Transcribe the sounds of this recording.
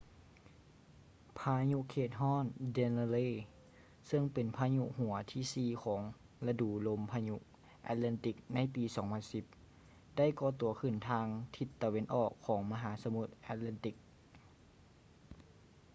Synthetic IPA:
pʰaː˧ɲu˧˥ʔkʰeː˧˩t̪̚ɦɔː˥˩˨nde˧n˧leː˧˥˨ | sɤ˧˥ŋpe˨npʰaː˧ɲu˧˥ʔhu˨˩˦ɐt̪ʰiː˧˥˩siː˧kʰɔː˩˦ŋ | la˧duː˨˩lo˧˥mpʰaː˧ɲu˧˥ʔ | ʔa̰˧t̪̚lɛ˧˨nt̪i˧˩k̚na˧˥˨jpiː˨˦sɔː˩˦ŋpʰa˧˥nsi˧˦p̚ | da˥˨jkɔː˧˦t̪u˨˩˦ɐkʰɯ˧˩nt̪ʰaː˧ŋt̪ʰi˧˩t̪ːa˧we˧˥nʔɔː˨˩kʰːɔː˩˦ŋma˧ɦaː˩˦sa˧mu˧˩t̪̚ʔaː˧˩t̪̚la˧˥nt̪i˧˩k̚

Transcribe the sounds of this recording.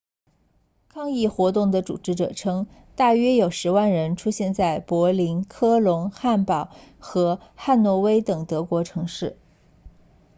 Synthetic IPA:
kʰɑ˥ŋi˥˩xwɔ˧˥t̪ʊ˥˩ŋd̪ə˩ʈ͡ʂṵ˨˩ʈ͡ʂɻ̩˧˥ʈ͡ʂɤ̰˨˩ʈ͡ʂʰɤ˥ŋ | t̪a˥˩ɥɛ˥jo˨˩ʊʂɻ̩˧˥wa˥˩nɻə˧˥nʈ͡ʂʰu˥ɕjɛ˥˧nt͡sa˥˩ɪpwɔ˧˥li˧˥nkʰɤ˥lʊ˧˥ŋxa˥˩npɑ˨˩ʊxɤ˧˥xa˥˩nnwɔ˧˥we˥ɪt̪ɤ˨˩ŋt̪ɤ˧˥kwɔ˧˥ʈ͡ʂʰɤ˧˥ŋʂɻ̩˥˩

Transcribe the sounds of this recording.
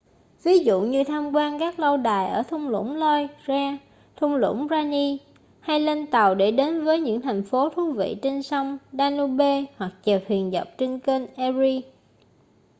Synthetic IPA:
vi˨˦zṵ˧˨ɲɨ˧t̪ʰaː˧mkwaː˧nkaː˦˥k̚lə˧wɗaː˨˩jʔəː˧˩t̪ʰʊ˧wŋ͡mlʊ̰˧˥ŋ͡mlɔ˧jzɛː˧ | t̪ʰʊ˧wŋ͡mlʊ̰˧˥ŋ͡mzaː˧ni˧ | ha˧jle˧nt̪a˨˩wɗe˧˩ɗe˨˦nvəː˨˦jɲɨ̰˧˥ŋt̪ʰa˨˩jŋ̟fo˨˦t̪ʰu˨˦vḭ˧˨t͡ɕe˧nsə˧wŋ͡mɗaː˧nu˧ɓe˧hwa˨˩k̚t͡ɕə˨˩p̚hwi˨˩ənzə˨˩wp̚t͡ɕe˧nke˧nʔɛ˧zi˧

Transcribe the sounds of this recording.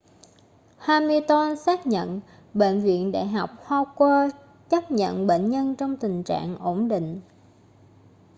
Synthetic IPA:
haː˧jmɨ˧əjt̪wa˧nsaː˦˥k̚ɲə̰˧˨n | ɓḛ˧˨nvḭ˧˨ənɗa̰ː˧˨jɦa˨˩wk͡p̚ha˧wkwaː˧ | t͡ɕə˦˥p̚ɲə̰˧˨nɓḛ˧˨nɲə˧nt͡ɕɔ˧wŋ͡mt̪ï˨˩ŋ̟t͡ɕa̰ː˧˨ŋʔo˧˩mɗḭ̈˧˨ŋ̟

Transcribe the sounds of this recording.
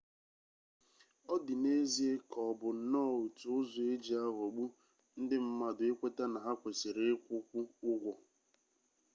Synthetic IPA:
ɔ˦dɪ˨ne˦zi˦e˦kɔ˨bʊ˨n̩˦nɔ˦˨u˨tu˨ʊ˦zʊ˨e˦d͡ʒi˨a˦ɦɔ˨ɡ͡bu˦ | n̩˦dɪ˦m̩˦ma˦dʊ˨e˦kʷe˦ta˦na˨ɦa˦kʷe˨sɪ˨ɾe˦kʷʊ˦kʷʊ˦ʊ˦ɡʷɔ˨

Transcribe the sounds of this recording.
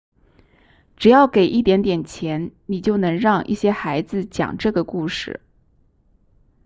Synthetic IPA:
ʈ͡ʂɻ̩˨˩jɑ˥˩ʊke˨˩ɪʔi˥˩t̪jɛ˧˥nt̪̬jɛ˨˩nt͡ɕʰjɛ˧˥nni˨˩t͡ɕjo˥˩ʊnɤ˧˥ŋɻɑ˥˧ŋʔi˥˩ɕjɛ˥xa˧˥ɪd͡zɹ̩˧t͡ɕjɑ̰˨˩ŋʈ͡ʂɤ˥˩ɡə˩ku˥˧ʂɻ̩˥˩

